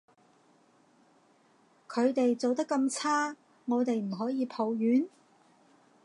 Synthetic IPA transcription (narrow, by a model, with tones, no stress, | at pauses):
kʰɵ˨˧ɥt̪e˨jt͡so˨wt̪ɐ˥kːɐ˧mt͡sʰaː˥ | ŋɔː˨˧t̪e˨jm̩˨˩ɦɔː˨˥jiː˨˧pʰo˨˧wjyː˨˥n